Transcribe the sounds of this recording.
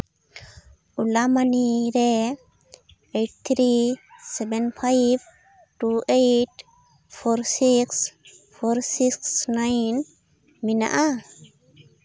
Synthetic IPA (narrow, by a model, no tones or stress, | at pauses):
ulamaniɾe | eʈ̚t̪ʰɾisɛbɛnfʰajb | ʈuʔejʈ | fɔɾsiksfoɾsiksnajn | mina̰ʔa